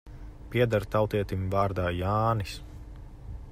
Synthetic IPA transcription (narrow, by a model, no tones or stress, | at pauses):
piɛd̪aɾt̪awt̪iɛt̪imvaːɾd̪aːjaːnis